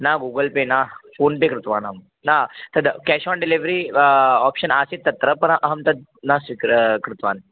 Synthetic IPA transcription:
naɡuɡəlpenafonp̪ekɾut̪ʋanɦəm | nat̪əd̪kɛɕɔɳɖiliʋɾiɔpɕənaset̪ːɐt̪ɾəpənʔəɦəmt̪əd̪̚nasʋikɾkɾut̪ʋa̰ːn

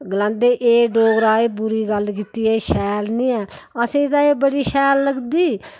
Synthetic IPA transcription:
ɡəlãːnd̪eːʔeːɖoːɡɾaːeːbuɾiːɡəlk̬iːt̪iːɛːʃɛːlnĩːɛːəsẽːd̪aːeːbəɽiːʃɛːlːəɡd̪iː

